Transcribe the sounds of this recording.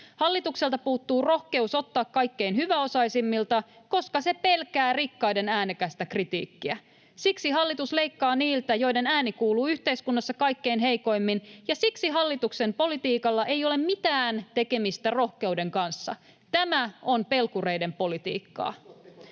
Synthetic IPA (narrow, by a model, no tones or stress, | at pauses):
hɑlːit̪ukse̞lt̪ɑpuːt̪ːuːro̞hke̞usot̪ːɑːkkɑjkːe̞inhyʋæo̞sɑisimːilt̪ɑko̞skɑse̞pe̞lkæːrikːɑjde̞næːnekæst̪ækrit̪ḭːkːiæ | siksiɦɑlːit̪usle̞ikːɑːniːlt̪æjo̞jde̞næːnikuːluːyht̪e̞iskunːɑsːɑkɑjkːe̞inɦejko̞jmːinjɑsiksiɦɑlːit̪ukse̞mpo̞lit̪iːkɑlːɑʔe̞jo̞le̞mmit̪æːnt̪e̞ke̞mist̪æro̞hke̞ude̞ŋkɑnsːɑ̰ | t̪æmæo̞npe̞lkure̞jde̞mpo̞lit̪ḭːkːɑ̰ː